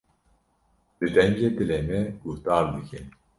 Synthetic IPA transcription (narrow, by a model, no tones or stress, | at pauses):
l̥ɨd̪ɛɲd͡ʒeːd̪ɨleːmɛɡ̥uht̪ɑːɾd̪ɨkʰɛn